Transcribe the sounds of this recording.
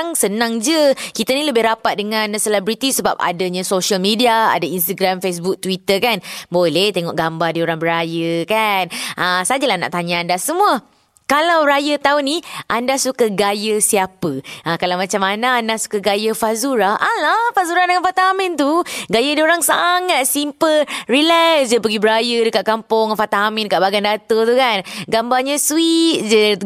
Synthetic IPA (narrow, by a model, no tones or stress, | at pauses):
ŋsənãŋd͡ʒəkit̪anĩləbɪhɾapat̪̚dəŋãnsəlɛbɾit̪isəbap̚a̰daɲãsoʃalmidiaa̰dainst̪aɡɾamfes̬buk̚t̪wit̪əkanbolɛht̪eŋɔ̰ʔɡambardioɾaŋbəɾajəkanʔasad͡ʒalahna̰ʔt̪aɲãandasəmũa | kalawɾajət̪auniʔandasukaɡajəsiapəʔakalawmat͡ʃamanaːndasu̥kəɡajəfazuɾaʔalafazuɾadəŋanfat̪aamɪ̃nt̪uɡajədioɾaŋsaŋat̪̚simpəlrilɛsd͡ʒəpəɡibəɾajədəkaʔ̪̚kampʊŋfat̪aːmɪ̃ndəkaʔbaɡandat̪ot̪ukanɡambaɲãswit̪̚d͡ʒə